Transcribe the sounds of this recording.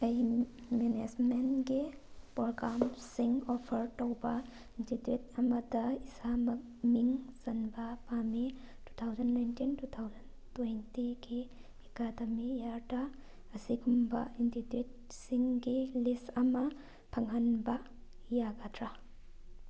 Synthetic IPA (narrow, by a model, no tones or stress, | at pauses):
ɐj | menesmenɡipɾoɡɾamsiŋopʰɐɾtowbɐ | intitwetɐmɐdɐisamɐk̚ | miŋz̥ɐnbɐpamitu̥t̪ʰawzɐnːajntintut̪ʰawzɐn | twejntiɡi | ekadɐmijaɾdɐ | ɐsiɡumbɐ̰intitwit̚ | siŋɡilistɐmɐ | pʰɐŋɦɐnbɐ | jaɡadɾa